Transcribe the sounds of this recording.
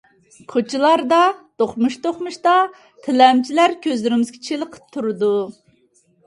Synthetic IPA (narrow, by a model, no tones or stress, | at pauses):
kʰot͡ʃʰilˠɑɾd̪ɑt̪oχmuʃt̪oχmuʃt̪ɑ | t̪ʰɪlɛmt͡ʃʰilæɾkʲʰøzlɪɾɪmɪzɡʲet͡ʃʰelˠəqʰə̥p̚t̪ʰuɾɨd̪u